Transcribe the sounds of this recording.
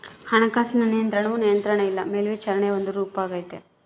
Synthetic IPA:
hɐɳɐkaːsinɐnijɐnt̪ɾɐɳɐʋunijɐnt̪ɾɐɳɐilːɐmeːlʋit͡ʃɐɾɐɳeond̪uɾuːpaːɡɐjit̪e

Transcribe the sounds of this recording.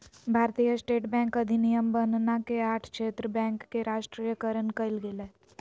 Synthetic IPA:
bʱaːɾt̪ijəsʈeːʈbɛ̃ːŋkɐd̪ʱinijəmbənnakeaːʈʰkʃeːt̪ɾəbɛ̃ːŋkːeɾʔaːʃʈɾijəkəɾənkɐɪlɡeleː

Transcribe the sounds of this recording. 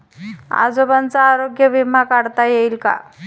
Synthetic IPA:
a̰d͡zobant͡saːɾoɡjəʋim̤akaɽt̪ajeilka̰

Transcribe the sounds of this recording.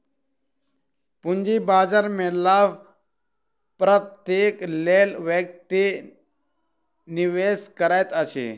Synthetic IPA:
pund͡ʒibaːd͡ʒaɾmelaʋ | pɾət̪ːjeːklelʋjək̚t̪i | niʋeskəɾajt̪ət͡ʃʰḛ

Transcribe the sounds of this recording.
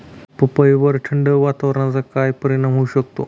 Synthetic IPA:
pəpəjʋəɾʈʰəɳɖəʋat̪aʋəɾãt͡sakajpəɾinamɦouɕəkt̪o̰

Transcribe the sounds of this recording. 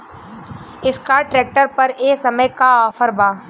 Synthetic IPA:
ɪskaʈɾeːk̚ʈəɾpɐɾeːsɐməjkaɔːfəɾbaː

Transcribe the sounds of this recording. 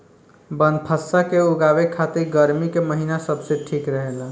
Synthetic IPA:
bənpʰəsːakeuɡabekʰat̪iɾɡəɾmikeməɦinasəbseʈʰikɾəɦela

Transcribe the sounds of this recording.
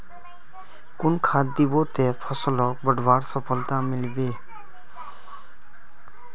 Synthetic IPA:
kʊnkʰat̪d̪ibot̪ɛpʰɔsəlɔk̚bəɖbaɽsɔpʰəlt̪amɪlbe

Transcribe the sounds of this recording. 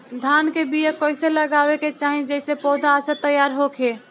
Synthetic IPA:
d̪ʱaːnkebijəkoːɪseləɡaːweket͡ʃaːɦĩd͡ʒɛɪsepɔːd̪ʱaːsət̪əjaːɾɦoːkʰeː

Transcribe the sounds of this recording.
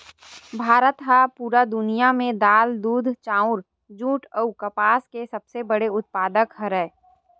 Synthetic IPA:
bʱaːɾət̪ɦapuːɾad̪ʊnijamẽd̪aːld̪uːd̪ʱt͡ʃaːʊɾ | d͡ʒũːʈəukəpaːskesɐbsebəɽeʊt̪̚paːd̪əkɦəɾɛː

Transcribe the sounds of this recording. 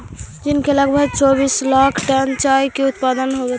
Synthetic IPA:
d͡ʒinkeləɡbʱəɡ̚t͡ʃɔbislakʰʈɛnt͡ʃaikeut̪pad̪ənɦobɛt̪

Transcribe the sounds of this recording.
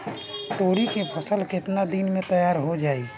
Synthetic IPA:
t̪oːɾikepʰəsəlkɪt̪nad̪inmẽt̪əjaːɾɦod͡ʒaːi

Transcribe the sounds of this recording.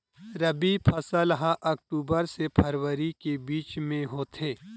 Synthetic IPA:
ɾɐbipʰɐsəlɦãʔɐk̚ʈuːbəɾsepʰɐɾwəɾikebiːt͡ʃmẽɦoːt̪ʰeː

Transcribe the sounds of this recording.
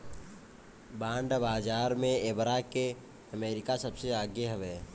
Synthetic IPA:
bãːɳɖbaːd͡ʒaːɾmẽebɾake | əmeːɾɪkasəbseaːɡjəɦʊʋeː

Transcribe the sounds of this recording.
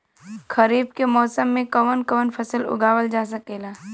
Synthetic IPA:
kʰɐɾiːb̚kemɔːsəmːẽkɐʋənkɐʋənpʰɐsəlʊ̰ɡaːʋəld͡ʒaːs̬əkeːlaː

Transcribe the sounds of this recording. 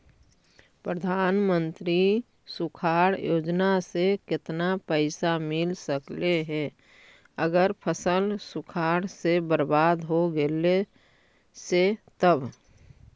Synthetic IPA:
pɾəd̪ʱaːnmə̃nt̪ɾi | sʊkʰaːɽjoːd͡ʒnasekɪt̪napəɪsamɪlsəkleɦɛ | əɡəɾpʰəsəlsʊkʰaːɽsebəɾbaːd̪ɦoɡele | set̪əb

